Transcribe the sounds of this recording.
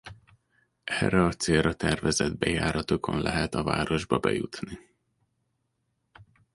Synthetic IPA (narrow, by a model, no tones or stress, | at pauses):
ɛrːɛɒt̪seːrɒt̪ɛrvɛzɛd̪bɛjaːɾɒt̪okʰo̞̰nlʔɛɦɛt̪ɒva̰ːɾo̞ʒbɒbɛ̰jut̪ni